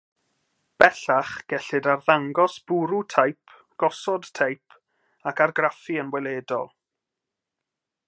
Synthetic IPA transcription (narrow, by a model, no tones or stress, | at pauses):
b̥ɛɬaχɡ̥ɛɬɨdarðaŋɡɔsb̥uɾutʰajpʰ | ɡ̥ɔsɔd̥tʰejpʰ | akarɡrafiənwɛlˠeːdɔ̰lˠ